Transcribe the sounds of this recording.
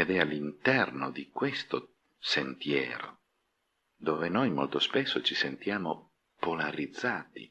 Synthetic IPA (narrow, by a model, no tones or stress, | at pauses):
ed̪ɛalːint̪ɛrnod̪ikwest̪o | sent̪jɛ̰ːɾo̰ | d̪oːvenojmo̰lt̪ospesːot͡ʃisent̪jaːmo | polaɾid̪zːaːt̪ḭ